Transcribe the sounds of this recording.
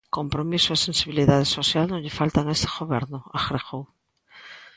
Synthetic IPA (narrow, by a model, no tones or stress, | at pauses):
ko̞mpɾomisoesensiβiliðað̞eso̞θjalnõʎefalt̪aŋest̪eɣoβeɾnoaxɾexow